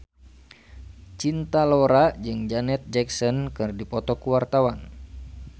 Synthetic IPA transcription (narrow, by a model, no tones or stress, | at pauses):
t͡ʃint̪alɔɾad͡ʒɨŋd͡ʒanɛt̪̚d͡ʒɛksɔnkɨrdipɔt̪ɔkuwart̪awan